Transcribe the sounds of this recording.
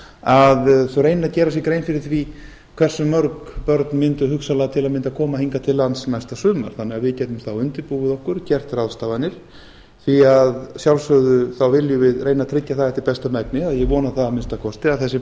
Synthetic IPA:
aðθɛreːjnaðcɛːɾas̬jɛkɾeːjnfɪɾɪɾ̥θvi | kʰv̥ɛr̥sʏmːœɾkpœɾt̪nmɪnt̪ʏɦʏksalat̪ʰɪlaðmɪnt̪akʰɔːmahiŋkat̪ʰɪlːansnajst̪asʏːma̰ɾ̥θanːɛɣaðvɪcɛt̪ʏmsθawʏnt̪ɪɾpuːɣʏðɔhkʏɾ̥cɛr̥t̪raðst̪avanɪɾ̥ | θviaðsjawlsœɣðʏθawvɪljʏvɪðreːjnat̪ʰɾɪcːaθaɛht̪ɪɾpɛst̪amɛknɪaðjɛɣvɔːnaθaðamɪnst̪akʰɔst̪ɪaðθɛsːɪ

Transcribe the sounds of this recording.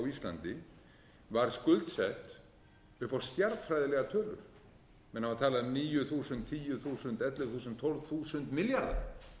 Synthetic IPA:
wist̪la̰nt̪ɪ | vaɾ̥skʏlt̪sɛht̪ | ʏhpɔst̪jaɾt̪fɾajðɪlɛɣat̪ʰœːlʏ̰ɾ̥ | mɛnhavaɾt̪ʰaːlaðʏniːjʏθuːsʏnt̪ʰiːjʏθuːsʏnt̪ɛt̪lʏθuːs̬ʏnt̪ʰːɔlv̥θuːsʏnt̪mɪljaɾða̰ɾ

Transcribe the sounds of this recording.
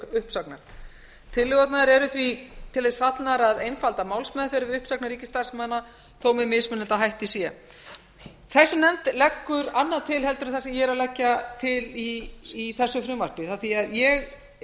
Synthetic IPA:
ʏhpsaknaɾ | t̪ʰɪlːɪɣɔt̪naðɛɾɛɾʏθvit̪ʰɪlðesfat̪naɾaðejnfalt̪amaːwlsmɛðfɪɾʏvɪʏhpsawknaɾiːcɪst̪ḁsmanːa | θowmɪmɪsmʏnːɪt̪aɦajht̪isjɛ | θɛsːɪmnɛmt̪lɛkːʏɾanːaðt̪ʰɪlhɛlt̪ʏɾaθasɛmjɛɾalɛcːat̪ʰɪliːθɛsːʏfɾʏmaspɪθaθiaðjɛɣ

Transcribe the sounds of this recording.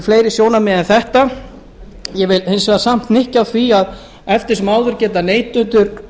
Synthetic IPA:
fleːjɾɪsjoːwnamɛðɛnθɛht̪a | jɛvɪlhensɛɣðasam̥t̪nɪhcawθviað | ɛft̪ɪsmaːwðʏɾcɛːt̪aneːjt̪ːʏnt̪ʏɾ

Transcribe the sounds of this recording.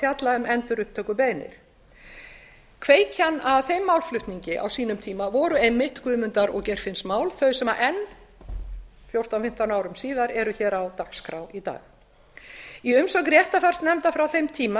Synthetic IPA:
jat̪laʏmɛnt̪ʏɾʏhpt̪œːkʏpeːjnɪ̰ɾ̥ | kʰveːjcʰanːaðθejmːaːwlflʏht̪niɲcɪʔa̰wsiːnʏmt̪ʰiːmavɔɾʏejmːɪht̪kʰʏːmʏnt̪aɾɔ̰ɣcɛr̥fɪnsmaːwlθœɥsɛmaʔɛnː | fjowr̥t̪awfɪm̥t̪awnaːwɾʏmsiːðaɾɛɾʏçɛːɾawt̪axskɾawit̪a̰ːɣ | iʏmsɔkɾjɛht̪afar̥st̪nɛmt̪afɾawθejmt̪ʰiːma

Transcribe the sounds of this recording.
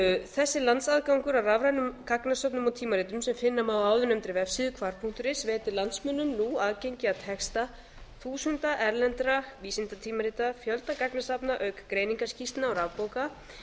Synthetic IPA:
θɛsːɪlant̪saðkawŋkʏɾawravɾajnʏmkaknasœpnʏmɔwt̪ʰiːmaɾiːt̪ʏmsɛmfɪnːamaðaːwðʏnœmt̪ɾɪvɛfsɪðʏkʰvaɾ̥pʰuŋ̥t̪ʏɾɪsvɛːt̪ɪlant̪smʏnːʏmnuaːðcejɲcɪat̪ʰɛkst̪a | θuːsʏnt̪aʔɛɾlɛnt̪ɾaviːsɪnt̪at̪ʰiːmaɾiːt̪afjœlt̪nakaknasapnaʔœɥkḁkɾeːjniŋkḁscist̪naɔɾavpoːwka

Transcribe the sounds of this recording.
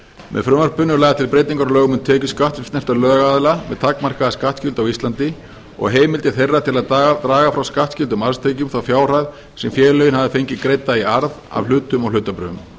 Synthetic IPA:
mɛ̰ðfɾʏmaɾ̥pʏnːʏlaːjðat̪ʰɪlpɾejt̪iŋkaɾɔlœːɣʏmʏnt̪ʰɛːcʏskaht̪t̪nɛft̪alœːɣaaðlamɛðt̪ʰakmar̥kaðaskaht̪scɪlt̪awist̪lant̪ɪ | ɔ̰ɣɦeːjmɪlt̪ɪ̥θejrːat̪ʰɪlaðt̪at̪ɾaːɣafɾawskaht̪scɪlt̪̬ʏmaɾst̪ʰeːcʏmθawfjaːwr̥ajð | sɛmfjɛːɾlœːjɪnhavðɪfejɲcɪkɾejt̪ːaiaɾða̰vlʏːt̪ʏmɔɣlʏːt̪ːapɾʏ̰ːʏm

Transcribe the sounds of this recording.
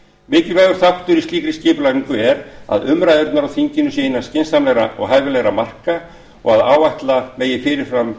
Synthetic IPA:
mɪːcɪlvɛːjðʏɾ̥θaht̪ʏɾist̪iːkɾɪscɪːpʏlaiŋkʏɛɾa̰ðʏmɾaːðʏɾt̪naɾawθiɲcɪnʏsɪːɪnḁscɪnsamlɛɣɾa̰ʔɔ̰ɣɦajvɪlɛɣɾamar̥ka | ɔ̰ɣaðaːwvaht̪lameːjɪfɪɾɪɾ̥fɾam

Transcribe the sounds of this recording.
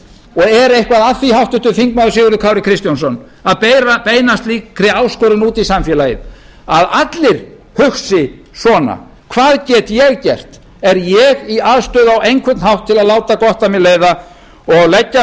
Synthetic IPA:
ɔɣɛɾejhkvaðaθihawht̪ʏnt̪ʏfiŋkmaðʏsɪːɣʏɾðʏkʰaːwɾɪkʰɾɪst̪jansɔn | aðpejɾapeːjnast̪liːkkʰɾɪaːwskɔɾɪnuːt̪isamfjɛːlajɪ | aðat̪lɪɾ̥ | hʏxsɪ | sɔːna̰ | kʰvaːðcɛːt̪jɛɣcɛr̥t̪ | ɛɾjɛɣiaːðst̪œːðawejŋkʰvɛt̪nɦawht̪ʰːɪlaðlaːwt̪akɔht̪amɪleːjða | ɔɣlɛcːa

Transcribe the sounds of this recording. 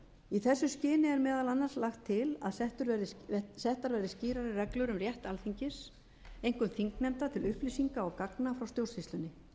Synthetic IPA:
iθɛsːʏscɪːnɪɛɾmɛːðalanːanslaxt̪ʰːɪla̰ðsɛht̪ʏɾɛɾðɪsɛht̪aɾvɛɾðɪsciːɾaɾɪrɛklʏɾʏmrjɛht̪alθiɲcɪs | ejŋ̥kʏmθiŋknɛmt̪at̪ʰɪlʏhplisiŋkaɔɣkaknafɾawst̪jowsfist̪ʏnːɪ

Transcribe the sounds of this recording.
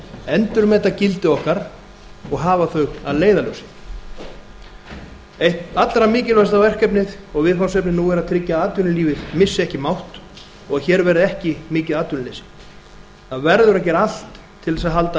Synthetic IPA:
ɛnt̪ʏɾmɛt̪acɪlt̪ɪɔhkaɾ | ɔɣɦaːvaθœɥɣaðleːjðalœwsɪ̥ | ejht̪at̪laɾamɪːcɪlvast̪awvɛr̥kɛpnɪðɔɣvɪðfansɛpnɪnuːɛɾat̪ʰɾɪcːaaːt̪ʏnɪliːvɪðmɪsːɪɛhcɪmawht̪ | ɔɣaçɛːɾvɛɾɪðɛhcɪmɪːcɪðaːt̪ʏnɪlejsɪ̥ | aðvɛɾðʏɾac̬ɛɾal̥t̪ʰː | ɪlɛsaðɦalt̪a

